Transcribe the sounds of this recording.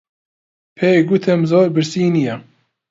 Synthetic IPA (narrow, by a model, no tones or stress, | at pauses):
pʰeɡut̪ʰɛmzoːɾbɨɾsiːnijɛ